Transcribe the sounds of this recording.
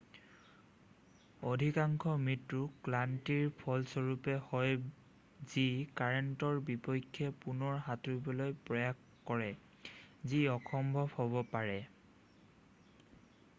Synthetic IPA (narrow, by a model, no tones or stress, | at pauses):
odʱikaŋkʰɔmitɹuklantiɹpʰɔlsɔɹupɛhɔj | zikaɹɔntɔɹbipɔjkʰːɛpunɔɹɦatuibɔlojpɹɔjak | kːɔɹɛ | ziɔxʰɔmbʱɔbhɔbɔpaɹɛ